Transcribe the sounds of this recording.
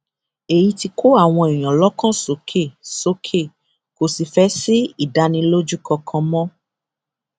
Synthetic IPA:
e˨ji˧ti˧kʰo˦a˦˨w̃ɔ̃˧e˨j̃ɔ̃˨lɔ˦kã˦˨so˨˦kʰe˦˨so˨˦kʰe˦˨ | ko˨si˨fɛ˦si˦i˦˨da˧˦nĩ˧lo˦d͡ʒu˦kʰɔ˧kʰã˧mɔ̃˦

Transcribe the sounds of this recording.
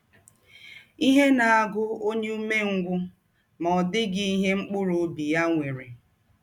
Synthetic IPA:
i˦ɦe˦na˨a˨ɡʊ˦o˦ɲe˦u˦me˦ŋ̩˦ɡʷʊ˦ | mɔ˨ɔ˨dɪ˦ɡɪ˦i˦ɦe˦ŋ͡m̩˦k͡pʊ˦ɾʊ˨˦bi˨ja˦ŋʷe˨ɾe˨

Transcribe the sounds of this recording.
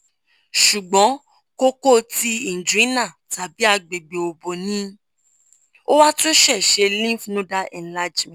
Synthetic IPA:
ʃu˨ɡ͡bɔ̃˨˦ | ko˦ko˦˨ti˧i˨n̩˨d͡ʒu˨ĩ˨˦nã˦˨ta˨bi˨˦a˧ɡ͡be˨ɡ͡be˨o˨bo˨nĩ˦ | o˦wa˦to˦ʃɛ˦˨ʃe˧lĩ˦fu˨˦nũ˦da˧ʔɛ̃˨n̩˨la˧˨d͡ʒmɛ̃˨

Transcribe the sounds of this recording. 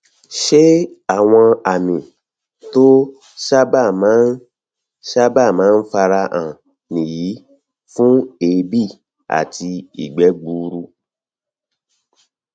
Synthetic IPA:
ʃe˦a˦˨w̃ɔ̃˧a˨mĩ˨ | to˦ | ʃa˦ba˦˨mãː˨˦n˦ | ʃa˦ba˦˨mãː˨˦n̩˦fa˧ɾa˧ʔã˨ | nĩ˨jiː˨˦ | fũ˦e˨˧bi˦˨ | a̰˨ti˧ḭ˨ɡ͡bɛ˨˦ɡ͡bu˧ɾu˧

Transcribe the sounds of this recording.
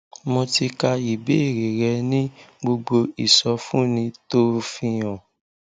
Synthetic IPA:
mõ˧ti˧ka˧i˨be˨˦e˦˨ɾe˨ɾɛ˧˦nĩ˦ɡ͡bo˧ɡ͡bo˧i˨sɔ˧˦fũ˦nĩ˧to˦˧fĩ˧j̃ɔ̃˨

